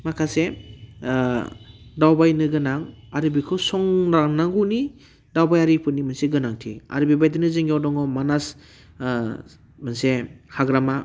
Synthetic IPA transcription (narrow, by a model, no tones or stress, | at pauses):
makʰase | dawbajnɯɡɯnaŋ | aɾɯbikʰɯsɔŋɾaŋnaŋɡuni | dawbajaɾipʰɯnːimanseɡɯnaŋtʰḭa̰ɾɯbibajdɯnɯzeŋɡawdɔŋɔmanas | mansehaɡɾama